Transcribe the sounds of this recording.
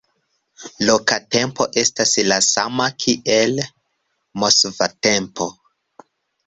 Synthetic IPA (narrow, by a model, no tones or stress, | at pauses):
lokate̞mpo̞ʔe̞staslasamakʰiʔel | mosvatempo̞